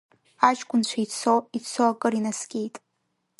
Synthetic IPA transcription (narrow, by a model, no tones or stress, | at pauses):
at͡ʃʼkʷʼʊnt͡ɕʷʰait͡sʰoit͡sʰoakʼɨrinasɡʲʼejtʼ